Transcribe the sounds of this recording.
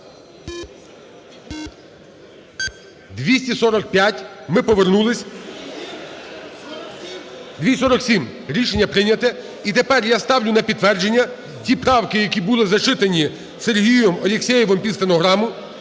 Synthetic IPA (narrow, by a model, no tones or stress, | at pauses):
d̪ʋʲisʲtʲisɔɾɔk̚pʲjatʲmɪpɔʋernulˠɪsʲ | d̪ʲʋʲisɔɾɔksʲim | ɾʲiʃenʲːɐpɾɪnʲɐt̪ɛ | it̪epɛrjast̪ɑwlʲʊnɐpʲid̪t̪ːʋɛrd͡ʒe̞nʲːɐ | tʲipɾɑwkɪjɐkʲibʊlˠɪzɐt͡ʃɪt̪enʲi | serɦʲijjɔmɔlʲɪksʲɛjɛʋɔmpʲist̪enɔɦɾɑmʊ